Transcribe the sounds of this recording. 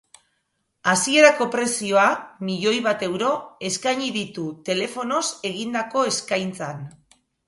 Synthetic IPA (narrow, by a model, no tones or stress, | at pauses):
asie̞ɾako̞pɾe̞sio̞amiʎo̞jβat̪e̞wɾo̞e̞skaɲiðit̪ut̪e̞le̞fo̞no̞se̞ɣind̪ako̞e̞skajnt͡san